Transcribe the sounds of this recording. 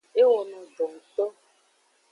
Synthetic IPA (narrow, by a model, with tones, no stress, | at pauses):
e˦wɔ˨nɔ̃˨ɖo˨ŋ̩˨t̪ɔ˦